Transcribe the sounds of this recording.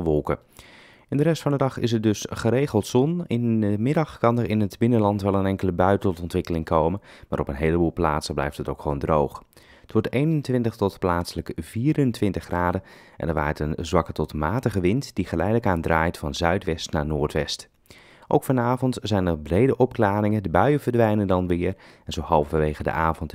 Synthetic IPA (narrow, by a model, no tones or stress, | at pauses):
ʋɔlˠkə | ɪndərɛstfɑndədɑχɪ̰s̬əɹdɵsχəɾejχəlˠtsɔnɪnəmɪdɑχkɑnəɹɪnədbɪnənlɑntʋɛlˠənɛŋkələbœɥtɔtɔntʋɪkəlɪŋkʰowmənmaːɾɔpənɦejləbuːlˠpla̰ːtsəblɛ̰jftɦətowkχʋowndrowχ | ətʋɔɹtejnəntʋɪntəχtɔtplaːtsələkv̥iːɾəntʋɪntəχraːdə | ʔɛ̰nəɹʋa̰ːətənzʋɑkətɔtmaːtəχəʋɪntd̥iχəlɛjdələkaːndraːjtfɑnzœɥtʋɛstnaːɹnʊːɹtʋɛst | ʔowkfɑnaːvɔntzɛjnərbrejdəʔɔpklaːɾɪŋədəbœɥəvəɹdʋɛjnəndɑnʋɪːər | ɛnzowɦɑlˠffɑʋejχədə̰ʔaːvɔnt